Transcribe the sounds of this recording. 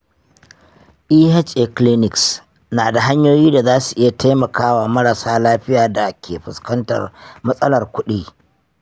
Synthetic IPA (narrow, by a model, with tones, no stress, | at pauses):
ʔiː˦hɛ˦t͡ʃʔɛ˨kli˦nɪ˨ks | naː˨da˨ɦa˦ɲjoː˦jiː˦da˨zaː˦su˨ʔɪ˦ja˨tʰa˦jmɐ˨kaː˦waː˨mɐ˦ɽa˨saː˦laː˦ɸɪ˦jaː˨da˨kʲʰeː˨ɸɪ˨skɐ˦ntɐ̰˨rmɐ˦sʼɐ˦lɐ˨rkʷʊ˦ɗiː˦